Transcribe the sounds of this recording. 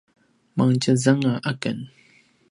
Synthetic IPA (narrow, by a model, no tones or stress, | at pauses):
maŋt͡ʃazaŋaʔakən